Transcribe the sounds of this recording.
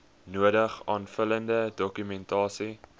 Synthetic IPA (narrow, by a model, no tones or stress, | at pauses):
nuədəχɑːnfələndədɔkymɛntɑːsi